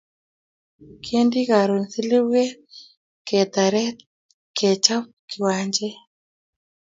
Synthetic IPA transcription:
kʰe˦ndi˦ka˨ɾo˨nsi˦li˦we˦ | kɛ˨t̪a˨ɾɛ˦ | kɛ˨t͡ʃa˦p | kɪ˨wa˦ɲd͡ʒɛ˦

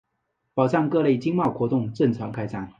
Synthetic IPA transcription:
pɑ˨˩ʊʈ͡ʂɑ˥˧ŋkɤ˥˧le˥˩ɪt͡ɕi˥ŋmɑ˥˩ʊxwɔ˧˥t̪ʊ˥˧ŋʈ͡ʂə˥˩nt͡sʰɑ˧˥ŋkʰa˥ɪsa˥˩n

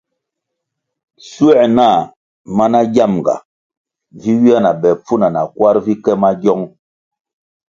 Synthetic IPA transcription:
su˦ɛ˦˨na˦˨ | ma˦na˦ɟa˦˨mɡa̰˨ | vi˦wi˦a˦na˨bɛ˨p͡fu˦na˨na˨kwa˦ɾvi˦kɛ˦ma˦ɟɔ˦ŋ

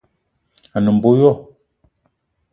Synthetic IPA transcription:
a˨nə˨m̩˨bo˦jɔ˦˨

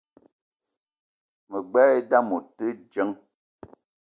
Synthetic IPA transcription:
mə˨ɡ͡bɛ˦e˦da˦mo˨tə˦d͡ʒə˨˦ŋ

